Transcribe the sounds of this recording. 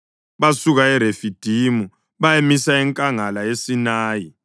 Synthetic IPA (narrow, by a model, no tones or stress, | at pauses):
βasuɣaɛɾefid̥ʱimu | βajemisaiŋkʼaŋalajesinaːji